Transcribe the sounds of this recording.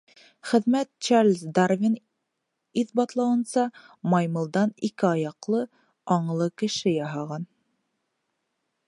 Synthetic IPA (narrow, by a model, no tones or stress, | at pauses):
χɘ̆ðmæt̪̚t͡ʃarlʲzd̪arvʲin | iðbɑt̪lˠɑwɤ̆nsɑ | mɑjmɤ̆lˠd̪ɑnikɘɑjɑqlˠɤ | ɑɴlˠɤkɘ̆ʃɘjɑɦɑʁɑn